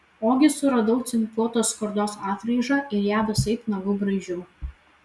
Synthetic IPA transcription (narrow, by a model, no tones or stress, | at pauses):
oːɡʲɪsʊɾɐd̪ɐʊt̪sʲɪnʲpuːt̪oːskɔɾd̪oːsɑːt̪ɾɐɪʒɑʔɪɾjæːʋʲɐsɐɪpnɐɡʊbɾɐɪʒʲʊ